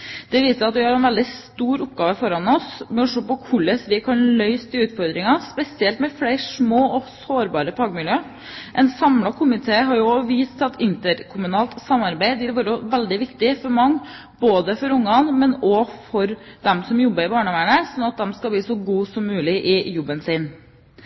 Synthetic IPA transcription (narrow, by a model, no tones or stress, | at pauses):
d̪̥ɛʋiːsəæɑt̪ʋɪhɑɾɛnʋɛld̪ɪst̪uːɾʊpːɡɑːʋəfɔɾɑnɔsmɛɔʂoːpɔkʰʊɭːəsʋɪkʰɑnlœʏst̪ʰɪlʉːt̪fɔɾd̪ɾɪŋɑspɛsɪɛlt̪mɛfleɪʂmoːɔsoːɾbɑːɾəpʰɑːɡmɪljøː | ʔɛnsɑmlɑkʰʊmɪt̪ʰeːɦɑɾjʊɔʋiːst̪ɑt̪ɪnt̪əɾkʰʊmʉnɑːlt̪sɑmːɑɾbæɪd̪ɪlʋuːɾəʋɛld̪ɪʋɪkt̪ɪfɔɾmɑŋː | boːd̪əfɔɾʊŋːɑnmɛnɔfɔɾd̪ɛmsɔmjɔbːəɾɪbɑːɳəʋæːɳəsɔnɑt̪̚d̪ɛmskɑlbliːsɔɡuːsɔmːʉːlɪʔɪjɔbːənsɪn